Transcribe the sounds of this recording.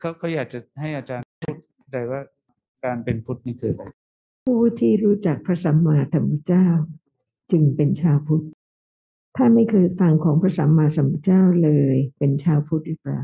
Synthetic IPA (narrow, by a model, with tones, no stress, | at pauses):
kʰa˦˥wkʰa˧˦˥wjaː˨˩k̚t͡ɕa˨˩ha˥˩jʔa˧t͡ɕaː˧npʰu˥˩t̪̚t͡ɕa˧jwaː˥˩ | kaː˧npe˧npʰu˦˥t̪̚niː˥˩kʰɯː˧˩la˧˩ | pʰuː˥˩t̪ʰiː˥˩ɾuː˦˥t͡ɕa˨˩k̚pʰɾa˧˥sa˩˦mːaː˧t̪ʰa˧˦mpʰa˦˥˩t͡ɕaː˥˩w | t͡ɕɯ˧ŋpe˧nt͡ɕʰaː˧wpʰu˦˥t̪̚ | t̪ʰaː˥˩ma˥˩jkʰɤː˧jfa˧ŋkʰɔː˩˦ŋpʰɾa˧˥sa˩˦mːaː˧sa˨˩˦mpʰa˦˥t͡ɕaː˥˩wlɤː˧jpe˧nt͡ɕʰaː˧wpʰu˦˥t̪̚ʔiː˨˩k̚ɾa̰ː˨˩w